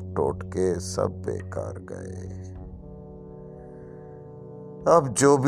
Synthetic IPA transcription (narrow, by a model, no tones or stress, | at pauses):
ʈoːʈkesə̰b̚ːḛːkaːɾɡəe | əbd͡ʒoːbʱ